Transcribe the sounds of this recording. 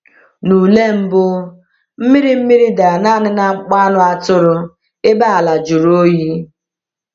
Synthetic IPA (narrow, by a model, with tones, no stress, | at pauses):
nu˨le˦m̩˦bʊ˦ | m̩˦mi˦ɾi˦m̩˦mi˦ɾi˦da˨na˦˨nɪ˦na˦k͡pa˦nʊ˦a˦tʊ˦ɾʊ˦ | ɪ˦ba˦a˨la˨d͡ʒu˨ɾo˦ji˦